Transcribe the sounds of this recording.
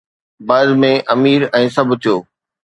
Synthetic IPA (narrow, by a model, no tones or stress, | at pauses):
bɐːd̪mẽʔɐmiːɾɛ̃ːsɐbʱʊt̪ʰijoː